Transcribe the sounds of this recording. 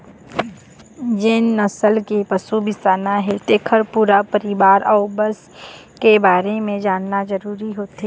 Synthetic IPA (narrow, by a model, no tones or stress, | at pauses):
d͡ʒɪnːɐsəlkepəsubʱɪst̪aːnaɦɛt̪eːkʰəɾpuːɾapəɾɪʋaːɾaʊbəs | kebaːɾemẽd͡ʒaːnːazɐɾuːɾiɦoːt̪eː